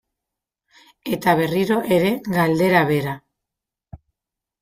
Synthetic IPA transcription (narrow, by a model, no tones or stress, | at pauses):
e̞t̪aβ̞e̞riɾoʔe̞ɾe̞ɡald̪e̞ɾaβe̞ɾa